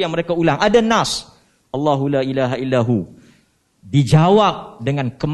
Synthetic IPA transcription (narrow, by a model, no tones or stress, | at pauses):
jaŋməɾekaulaŋʔadanas | ʔɑlːaɦulaʔilaɦailːaɦu | did͡ʒawap̚dəŋankəm